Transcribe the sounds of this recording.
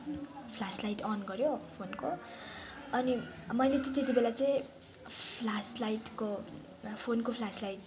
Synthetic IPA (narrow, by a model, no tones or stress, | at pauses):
pʰlaslajʈʌnɡʌɾjopʰonko | ʌnimʌjlet̪ĩt̪et̪̬ibelat͡sʌĩ | pʰlaslajʈko | pʰonkopʰlaslajʈ